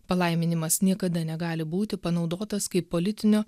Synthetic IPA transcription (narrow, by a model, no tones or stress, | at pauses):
pɐlˠɐɪmʲɪnʲɪmɐsnʲiɛkɐd̪ɐnʲɛɡɑːlʲɪbuːt̪ʲɪpɐnɒʊd̪oːt̪ɐskɐɪpːolʲɪt̪ʲɪnʲoː